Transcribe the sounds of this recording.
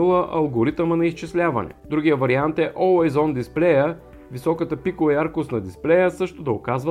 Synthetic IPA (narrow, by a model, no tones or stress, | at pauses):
lˠəʔɐlˠɡoɾit̪əmɐnɐist͡ʃislʲavɐ̰nɛ̰d̪ɾuɡʲijəvɐɾiant̪ɛʔɔajzɔnd̪isplɛjə | visɔkət̪əpikovɐaɾkosnɐd̪isplɛjəsɤʃt̪od̪ɐokazv